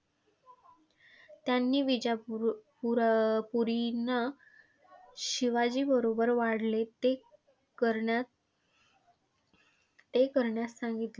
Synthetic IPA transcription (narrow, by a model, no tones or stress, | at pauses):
t̪janːiːʋid͡ʑappuɾina | ɕiʋad͡ʑiːbəɾobəɾʋaɽ̤let̪e | kəɾa | t̪ekəɾɳjasãŋɡit̪le